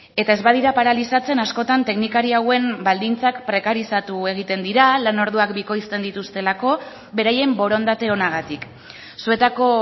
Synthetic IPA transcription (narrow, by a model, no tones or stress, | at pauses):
e̞t̪ae̞zβað̞iɾapaɾalisat͡se̞nasko̞t̪ant̪e̞knikaɾiawe̞mbald̪int͡sakpɾe̞kaɾisat̪ue̞ɣ̞it̪e̞nd̪iɾalano̞ɾð̞uakbiko̞jst̪e̞nd̪it̪ust̪e̞lako̞ | be̞ɾaje̞mbo̞ɾo̞nd̪at̪e̞o̞naɣ̞at̪ik | sue̞t̪ako̞